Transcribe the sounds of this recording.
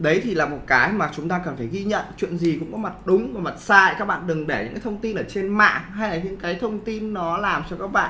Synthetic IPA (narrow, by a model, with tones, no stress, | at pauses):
ɗə˨˦jt̪ʰi˨˩laː˨˩mo˨˩t̚kaː˨˦jmaː˨˩t͡ɕʊ˨˦ŋ͡mt̪aː˧kə˨˩nfaː˧˩jɣi˧ɲə̰˧˨nt͡ɕwḭ˧˨ənzi˨˩kʊ̰˧˥ŋ͡mkɔ˨˦ma˨˩t̚ɗʊ˨˦ŋ͡mvaː˨˩ma˨˩t̚saː˧jkaː˦˥k̚ɓa̰ː˧˨nɗɨ˨˩ŋɗe˧˩ɲɨ̰˧˥ŋkaː˨˦t̪ʰwŋ͡mt̪i˧nʔəː˧˩t͡ɕe˧nma̰ː˧˨ha˧jlaː˨˩ɲɨ̰˧˥ŋkaː˨˦jt̪ʰə˧wŋ͡mt̪i˧nːɔ˨˦laː˨˩mt͡ɕɔ˧kaː˦˥k̚ɓa̰ː˧˨n